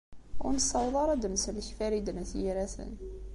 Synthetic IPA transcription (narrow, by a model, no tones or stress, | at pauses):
ʊ̰ɾnəsɑwðˤɑɾˤæd̪əmsəlçfæɾid̪nəθjiɾæsə̰n